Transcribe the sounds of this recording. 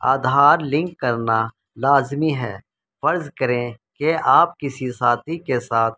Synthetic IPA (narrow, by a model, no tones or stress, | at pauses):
a̰ːd̪ʱaːɾlɪ̃ŋkːɐɾna | laːzmiɦɛ̰ː | fəɾzkəɾẽ | keaːp̚kɪsisaːt̪ʰikesaːt̪̚ʰ